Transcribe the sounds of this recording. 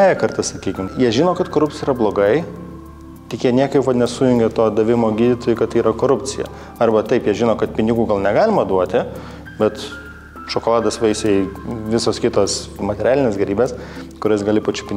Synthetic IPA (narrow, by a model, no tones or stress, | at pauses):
æːjɛkɐrt̪ɐsɐkʲiːkʲɪmjiɛʒʲɪnoːkɐt̪koːɾʊp̚ʲt͡sʲɪjiːɾɐblˠoːɡɐɪ | t̪ʲɪkʲiɛnʲiɛkɐɪpʋɐtnʲɛsujʊŋʲɡʲɛt̪oːd̪ɐʋʲɪmoːɡʲiːd̪ʲɪt̪oːjʊkɐt̪t̪ːɐiːɾɐkoːɾʊpʲt͡sʲɪjɛ̰ | ɐrbɐt̪ɐɪpjiɛʒʲɪnoːkɐt̪pʲɪnʲɪɡuːɡɐlˠnʲɛɡɑːlʲɪmɐd̪uɔt̪ʲɪ | bʲɛt̪ | ʃoːkolˠɑːd̪ɐsʋʲɛɪsʲɛʋʲɪsoːskʲɪt̪oːsmɐt̪ʲɛɾʲæːlʲɪnʲeːsɡʲɛɾʲiːbʲeːskʊɾʲɛːsɡɐlʲɪpɐt͡ʃʲʊ̥pʲɪnʲɪ